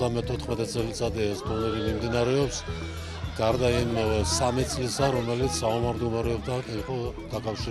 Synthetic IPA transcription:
amɛt̪ʰɔt̪ʰχmɛt̪ʰʼɛt̪sʼɛlit̪sʼad̪ɛɛsd̪unɛɾimimd̪inaɾɛɔps | ɡ̥aɾd̪aimsamit̪sʼlisaɾɔmɛlit̪sʰsaamaɾd̪umaɾɛɔbt̪ʰaːkʰʼɛniχʼɔd̪̥akʼafʃiɾ

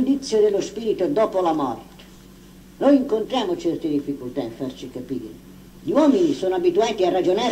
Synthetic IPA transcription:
nd̪it̪sːjod̪ɪlːospiːɾit̪od̪ɔːpolamɔ̰rt̪ | nojiŋkont̪ɾjaːmʊt͡ʃɛrt̪ɪd̪ifːikult̪afːart͡ʃikapiːɾɪ̰ | ʎiwɔːminisoːnoabit̪uɛnt̪iarːad͡ʒonaː

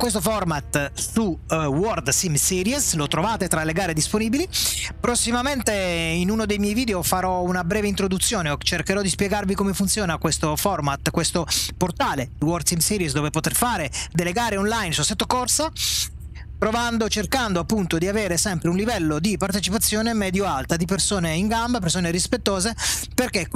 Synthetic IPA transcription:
kwes̬t̪ofɔrmat̪suwɔrd̪simsiːɾjɛslot̪ɾovaːt̪et̪ɾalːeɡaːɾed̪isponiːbilipɾosːimament̪einunod̪ejmjɛjviːd̪eofaɾɔunabɾɛːveint̪ɾod̪ut̪sːjoːneot͡ʃerkeɾɔd̪ispjɛɡarvikomefunt̪sjoːnakwest̪ofɔrmat̪kwest̪oport̪aːled̪iwɔrt̪sinsiɾisd̪oːvepot̪erfaːɾed̪eleɡaːɾeɔnlajnsuset̪ːokorsa | pɾovand̪ot͡ʃerkand̪oapːunt̪od̪iaveːɾesɛmpɾeunlivɛlːod̪ipart̪et͡ʃipat̪sːjoːnemɛːd̪joalt̪ad̪ipersoːneiŋɡambap̬ersoːneɾispet̪ːoːzeperke

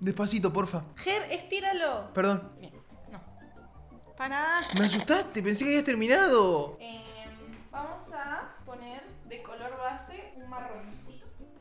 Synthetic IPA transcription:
d̪ehpasit̪̬op̬oɾfaxeɾest̪iɾalopeɾðonbjenː | o | panaðameas̬ust̪ast̪ep̬ens̬ekeaβiast̪eɾmĩnaðoembamosapo̞neɾ | ðekoloɾβaseunmaronsit̪o̥

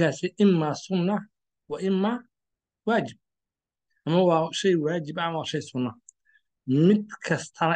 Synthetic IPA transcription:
aːsɛʔɪmːaːsʊnːɐ | wɑʔɪmːa | waːt͡ʃɪb̚ | ʔɐmɐwɑːʃɛjwaːt͡ʃɪbɐɐmwɑːʃɛjsʊnːɐ | mɪd̪̚kʰɐst̪ʰɐnɐ

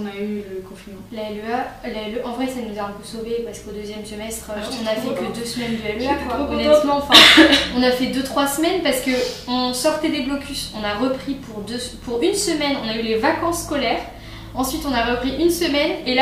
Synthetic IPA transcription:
nayləkɔ̃finmɑ̃laɛlyalaɛløʔɑ̃vʁɛsanuzaɑ̃køsovepaʁskod̪øzjɛmsəmɛst̪χøɔ̃nafɛkəd̪øsəmɛnd̪əɛlyakwanɛt̪mɑ̃fɛ̃ɔ̃nafɛd̪øt̪χwasəmɛnpaʁsə̥kəɔ̃sɔʁt̪ɛd̪eblɔkʲysɔ̃naʁəpχipʰuʁd̪øpʰuʁynsəmɛnɔ̃naylevakɑ̃sːkɔlɛːʁ | ɑ̃sɥit̪ɔ̃naʁəpχiʔynsəmɛnela

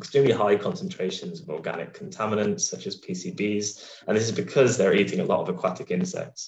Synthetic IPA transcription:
ɪkstɹ̥ĩːmliɦaɪkʰɒ̃nsə̃ntʰɹ̥eɪʃə̃nzəvɔːɡa̰nɪ̰kʰːə̃ntʰamɪnə̃ntsʌt͡ʃəz̥pʰisiːbiːz | ə̃nðɪs̬ɪzbɪkʰʌzðəɹiˑtɪ̃ŋəlɔ̰təvəkʰw̥atʰɪkɪ̃nsɛ̰k̚ts

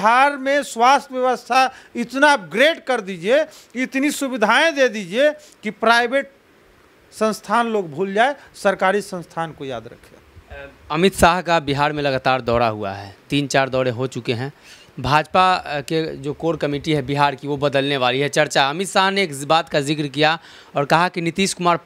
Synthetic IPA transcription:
ɦaːɾmẽswaːst̪ʰʋjəʋəst̪ʰaɪt̪nab̚ɡɾeːɖkəɾd̪id͡ʒie | ɪt̪nisubɪd̪ʱaẽd̪ed̪iːd͡ʒie | kipɾaɪbeːʈ | sə̃nst̪ʰaːnloːɡbʱuːld͡ʒaːesəɾkaːɾisə̃nst̪ʰaːnkoja̰ːd̪ɾə̰kʰḛ | ɐmɪt̪saːɦkabiɦaːɾmẽlɐɡaːt̪aːɾd̪ɔːɾaɦua̰ɦɛːt̪iːnt͡ʃaːɾd̪ɔːɾẽɦot͡ʃʊkeɦɛ̃ː | bʱaːd͡ʒpaked͡ʒoːkoːɾkəmiːʈiɦɛbiɦaːɾkiʋobɐd̪əlneʋaːliɦɛt͡ʃɐɾt͡ʃaɐmɪt̪saːɦneːkbaːt̪kazɪkɾkija | ɔːɾkɐɦakinɪt̪iːʃkʊmaːɾ

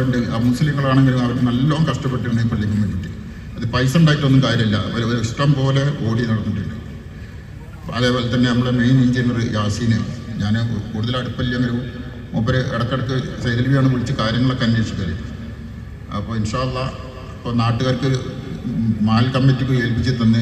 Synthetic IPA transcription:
ɳɖɨɐmusliːŋːɐɭaːɳe̞ŋɡilumɐʋɐkːɨnɐlːoːmkɐʂʈɐpːe̞ʈːɨuɳːeipːoɭlːek̬ʲːumːeɳiʈːɨ | ɐðɨpɐjsɐmuɳɖaːjiʈːʋɐnːumkaːɾjɐmɐlːɐɐpːoloɾueksʈɐmpo̞ːle̞o̞ːɽinɐɽɐnːuʈːiɳɖɨ | ɐðeːpoːlet̪ːɐnːe̞nɐmːɐɭemejniɲd͡ʑinːɐɾɨjaːsiːneɲaːnkuːɽuðɐlɐɽupːɐlːijɐnːɐlu | opːɐɾɨʔeɽɐkːeɽɐkːɨsɐjɾɐlʋijaːɳɨʋiɭit͡ɕːɨkaːɾjɐŋːɐɭekːɐnːeʂɨkːaːɾjɐ̰ʈːɨ | ɐ̰pːoːɭinʂaːɐlːɐ | pːoːnaːʈːuɣaːɾkɨ | maːlkɐmːitːikːɨelpit͡ɕːit̪ːɐnːɨ

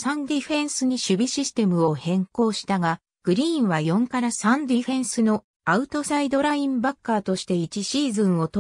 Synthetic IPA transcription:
sãnd̪iɸẽ̞ɰ̃sɨɲ̟iɕɨbʲiɕisɨ̥t̪e̞mɯ̟o̞hẽ̞ŋko̞ːɕi̥t̪aɡa | ɡ̥ɯ̟ɾʲĩːɰ̃βajõ̞ŋkaɾasãnd̪ʲiɸẽ̞ɰ̃sɨno̞ | aɯ̟t̪o̞said̪o̞ɾaĩmbakːaːt̪o̞ɕi̥t̪e̞it͡ɕiɕiːzɨ̃ɰ̃o̞t̪

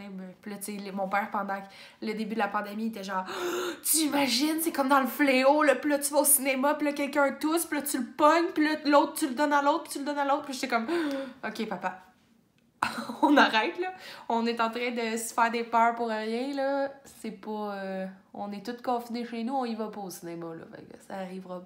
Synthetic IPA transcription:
ɛ̃bɛ̃pilʌt͡selmɔ̃pɛːʁpɑ̃d̪ɑ̃ | ləd̪ebyd̪əlapɑ̃d̪emiet̪ɛʒɑ̃ːʁt̪yimaʒɪnsekɔmd̪ɑ̃ləfleolɔpilʌt̪yvaosinemapilʌkʲɛlkʲœ̃t̪ʊspilʌt̪ylpɔɲpilɔlɔʊt̪χt̪yld̪ɔnaloʊt̪̚pit̪yld̪ʌnaloʊt̪̚pilʃt̪ɛkɔmɔkʲepapa | ɔ̃naʁɛɪt̪lɔɔ̃net̪ɑ̃t̪ʁɛ̃d̪əsə̥fɛːʁd̪epœːʁpuʁʁjɛ̃lɔsepɔ | ɔ̃nɛt̪ʊt̪̚kɔ̃fineʃenuɔ̃ivɔpɔosinemalɔ̰fɛ̰ksaːʁivʁɔ

